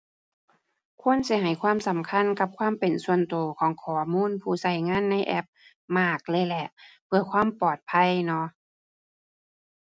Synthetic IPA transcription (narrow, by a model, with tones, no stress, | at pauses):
kʰu˧˥˨nsi˧˦ɦa˨˩jkʰwaː˧˥˨msa˨˦mkʰa˧˥˨nka˧p̚kʰwaː˧˥˨mpe˨˩nsu˧ənt̪oː˨˩˦kʰɔː˨˦ŋkʰɔː˨˦muː˧˥˨npʰuː˧˩sa˧˩jŋaː˧˥˨nːa˧˥˨jʔɛ̰˧˥p̚ | maː˧˩k̚lɤː˧˨jlɛ˧˩ʔpʰɯ˧˩ɐkʰwaː˧˥˨mpɔː˨˩t̪̚pʰa˧˥˨jnɔ˧˥